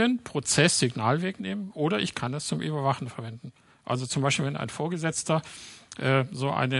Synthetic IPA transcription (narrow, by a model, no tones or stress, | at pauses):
ənpʁ̥ot͡sɛsz̥ɪɡnaːlveːkneːmənʔoːɾɐʔɪçkʰandast͡sʊmʔy̰ːbɐvaχnfɛɐvɛndn̩ | ʔa̰lzot͡sʊmbaɪʃpiːlvɛnʔa̰ɪnfoːɐɡəzɛt͡stɐʔɛːzoːʔa̰ɪnə